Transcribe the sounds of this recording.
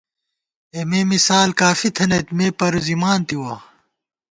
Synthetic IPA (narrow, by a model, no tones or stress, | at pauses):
emeːmisaːlkaːfit̪ʰɐnɐt̪meːpɐɾuzimaːnt̪iwɐ